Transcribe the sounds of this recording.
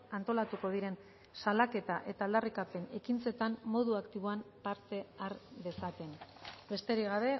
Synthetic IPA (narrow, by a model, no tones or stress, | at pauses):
ant̪o̞lat̪uko̞ð̞iɾe̞n | salake̞t̪aʔe̞t̪aːld̪arikape̞ne̞kint͡se̞t̪ammo̞ðuakt̪iβ̞oampaɾt̪e̞aɾde̞sat̪e̞nbe̞st̪e̞ɾiɣaβe̞